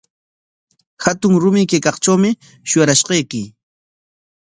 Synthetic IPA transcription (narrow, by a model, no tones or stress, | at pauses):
xat̪ʊŋɾʊmɪkejkɑχt͡ʃawmɪ | ʃʊjaɾaʃqɑjkɪ